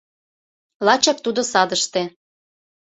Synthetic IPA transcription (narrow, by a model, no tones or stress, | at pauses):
lɑt͡ɕɑk̚t̪ud̪osɑd̪əʃt̪e